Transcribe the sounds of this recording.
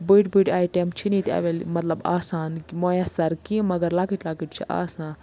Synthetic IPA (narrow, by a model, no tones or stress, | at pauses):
bɨːʈbɨːʈaːjʈemt͡ʃʰinit̪ɐ̰ʋelmɐt̪lɐba̰ːsaːnmoːjɐsɐɾkĩmɐɡɐɾlaːkiʈlaːkiʈt͡ʃʰiʔa̰ːsãː